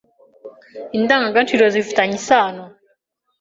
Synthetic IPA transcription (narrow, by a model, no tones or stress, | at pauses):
indaːŋɡaŋɡant͡ʃiɾozifutaɲisaːno